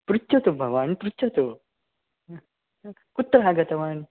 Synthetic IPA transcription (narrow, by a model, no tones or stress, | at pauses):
pɾutːɐt̪obʱɐʋaːnpɾut͡ʃɐt̪o | kut̪ːɾɐɦaɡɐt̪ɐʋan